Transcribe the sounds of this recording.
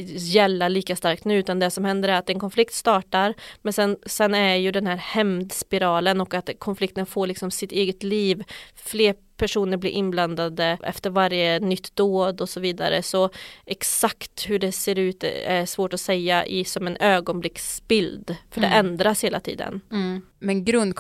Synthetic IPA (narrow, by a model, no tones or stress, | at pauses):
jɛlːaɭiːkast̪aɾk̚t̪nʉ̟ːʉːt̪and̪ɛsɔmhɛnd̪əɾɛɾat̪ɛnkʰɔnflɪkt̪st̪ɑːʈaɾmɛnsɛnsɛnːæɾjɵd̪ɛnhæːɾhɛmd̪spɪɾɑːlənɔkat̪kʰɔnflɪk̚t̪ənfoːɾɭɪksɔmsɪt̪eːɡət̪liːvfleːɾ | pʰæʂuːnəɾblḭɾʔɪnbland̪ad̪əʔɛ̰ft̪əɾvaɾjənʏt̪ʰd̪oːd̪ɔsɔviːd̪a̰ɾə̰sɔɛksakt̪hɵɖɛseːɾʉ̟ːt̪ɛʂvoːʈɔsɛjːaʔɪsɔmɛnøːɡɔnblɪksbɪld̪fœɖɛʔɛnd̪ɾasheːlat̪ʰḭːd̪ə̰n | mɛnɡɾɵnd̪